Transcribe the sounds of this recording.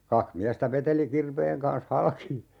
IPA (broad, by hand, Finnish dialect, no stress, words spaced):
kɑkh miæstæ ʋeteli kirʋeːŋ kɑns hɑlki